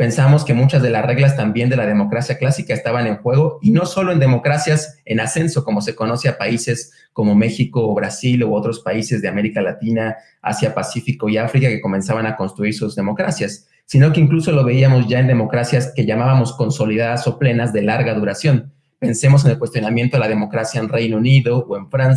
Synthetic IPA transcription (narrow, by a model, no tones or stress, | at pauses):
pe̞nsaβamo̞ske̞mut͡ʃazðe̞lasre̞ɣlast̪ambje̞nd̪e̞lað̞e̞mo̞kɾasjaklasikaest̪aβane̞ŋxwe̞ɣ̞o̞ino̞so̞lo̞end̪e̞mo̞kɾasjase̞nase̞nso̞ko̞mo̞se̞ko̞no̞se̞apaise̞s | ko̞mo̞me̞xiko̞βɾasilo̞o̞t̪ɾo̞spaise̞zðe̞ame̞ɾikalat̪ina | a̰sjapasifiko̞iafɾikake̞ko̞mẽ̞nsaβanako̞nst̪ɾuiɾsuzðemo̞kɾasjasː | ino̞ke̞iŋkluso̞lo̞βe̞iamo̞zʝae̞nd̪e̞mo̞kɾasjaske̞ʝamaβamo̞sko̞nso̞lið̞aðaso̞ple̞nazðe̞laɾɣaðuɾasjo̞n | pe̞nse̞mo̞s̬e̞ne̞lkwest̪jo̞namjent̪oelaðe̞mo̞kɾasjaenrejnouniðo̞ːe̞ɱfɾans